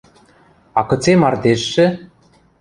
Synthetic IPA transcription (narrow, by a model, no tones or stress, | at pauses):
ɑkɤ̆t͡semɑrd̪eʃːɘ̆